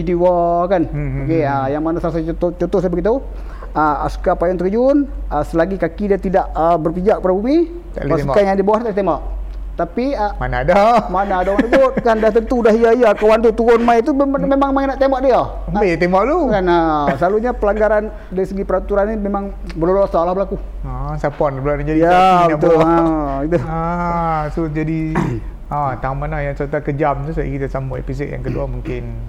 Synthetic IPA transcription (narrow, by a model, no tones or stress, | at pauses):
idiwakankeəjaŋmanasalasat͡ʃot̪ot͡ʃɔt̪osajbəɡit̪u | əa̰su̥kapajaŋt̪əkəd͡ʒʊnəsəlaɡikakidiat̪idaʔəbərpid͡ʒak̚paɾabumi | t̪a̰asukajaŋdibawahit̪alit̪embaʔ̚ | t̪apiəma̰nadamanaadamat̪k̪ut̪̚kandaht̪ənt̪uːdaɦijaijakawant̪̬ut̪uɾʊnmajt̪̬umemaŋmaŋenaʔt̪embaʔ̚dia | mbet̪emaʔlukanasəlaluɲapəlaŋɡaɾan | daɾisəɡipəɾat̪uɾanːimemaŋ | bərlolosalahbəlaku | asapɔnbəlanad͡ʒadijaab̪oait̪uasud͡ʒadi | at̪amanajaŋsət̪akəd͡ʒamt̪usaḭkit̪asambuḛpis̬ɔt̪ja̰ŋkəduamuŋkɪn